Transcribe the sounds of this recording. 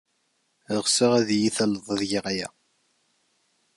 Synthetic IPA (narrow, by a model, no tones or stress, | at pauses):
əʁsəʁæðjiθæləðˤəðʝəʁjæ̰